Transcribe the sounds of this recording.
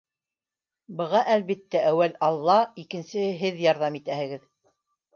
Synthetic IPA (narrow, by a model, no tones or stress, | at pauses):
bɤ̆ʁɑʔælβit̪ːæʔæwælɑlˠːɑikɘ̆nsɘɦɘðjɑɾðɑmit̪æhɘ̆ɡɘð